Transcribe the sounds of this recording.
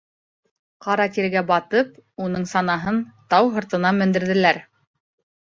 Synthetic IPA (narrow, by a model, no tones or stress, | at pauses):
qɑɾɑt̪iɾɡæbɑt̪ɤp̚unɤɴsɑnɑɦɤnt̪ɑwɦɤ̆ɾt̪ɤ̆nɑmɵ̆nd̪ɘ̆ɾðɘ̆læɾ